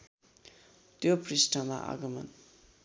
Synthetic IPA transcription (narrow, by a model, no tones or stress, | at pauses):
t̪joprisʈʌma̰ʔa̰ɡʌmʌ̰n